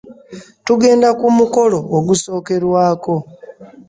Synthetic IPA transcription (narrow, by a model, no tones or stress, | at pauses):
tuɡe̞ːndakumuko̞lo̞ːɡuso̞ːke̞ɾwaːko̞